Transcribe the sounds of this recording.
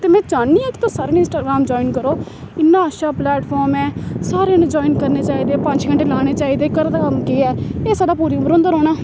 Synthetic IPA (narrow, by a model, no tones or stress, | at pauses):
t̪eːmɛ̃ːd͡ʒaːɳiːãːkɪ̥t̪ãːsaːɾeːnɪ̃nsʈaːɡɾaːmd͡ʒɔːiːnkəɾoː | ɪnːãːəʃaːplɛːʈpʰɔːɾmɛːsaːɾeːnːd͡ʒɔːinkəɾneːt͡ʃaːiːd̪eːpəɲd͡ʒɡəɳʈeːlaːɽ̃eːt͡ʃaːiːd̪eːkəɾd̪aːkəmkeːɛːeːsaːɖaːpuːɾiːʊməɾoʊ̃nd̪əɾoːɽaː